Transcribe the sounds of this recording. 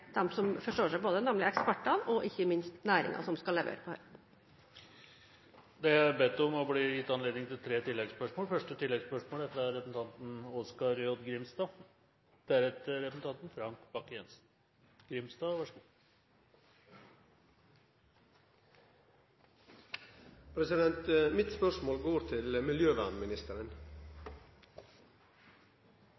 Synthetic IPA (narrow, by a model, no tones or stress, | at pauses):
d̪ɛmsɔmfɔʂʈoːʂæɪboːd̪ənɛmlɪɛkspæʈːɑʋɔʔɪçːəmɪnst̪næːɾɪ̰ŋɑ̰sɔmskɑlɛʋḛːɾəpʰɔhœʏ | d̪ɛæbeːt̪ːɔmɔbliːjɪt̪ːɑnleːd̪nɪŋt̪ʰɪlt̪ʰɾeːt̪ʰɪlːɛɡspœʂmoːlfœʂʈət̪ʰɪlːɛɡspœʂmoːld̪ɛt̪ːəæɾɾɛsəsn̩t̪ɑnt̪n̩ɔskɑɾjod̪ɡɾɪmst̪ɑː | d̪̥æɾɛt̪əɾɛpəsn̩t̪ʰɑnt̪n̩fɾɑŋkb̥ɑkːjɛnsn̩ | ɡ̥ɾɪmst̪ɑːʋɑʂ | pʰɾɛsɪd̪ɛnt̪mɪt̪spœʂmoːlɡoːɾt̪ʰɪlmɪljøːʋænmɪnɪst̪əɾən